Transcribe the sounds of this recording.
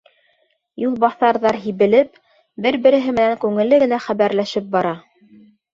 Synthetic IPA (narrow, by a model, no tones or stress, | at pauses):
julˠβɑθɑɾðɑɾɦiβɘ̆lɘp̚ | bɘɾbɘ̆ɾɘ̆ɦɘmɘ̆næŋkʉŋɘ̆lːɘɡɘ̆næχæβæɾlæʃɘp̚bɑɾɑ